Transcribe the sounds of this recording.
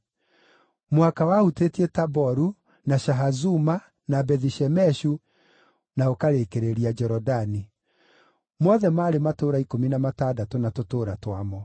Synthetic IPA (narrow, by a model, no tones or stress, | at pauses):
mwakawahutetietabɔɾu | naʃaɦazuma | nabɛðiʃɛmɛʃu | naokaɾekeɾeɾiad͡ʒɛɾɔdani | mɔðɛmaːɾematoɾaikominamataːdatonatotoːɾatwamɔ